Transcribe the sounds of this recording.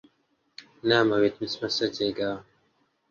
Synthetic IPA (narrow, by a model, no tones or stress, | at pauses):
naːmɐwit̪mismɐsɐt͡ɕeːɡaː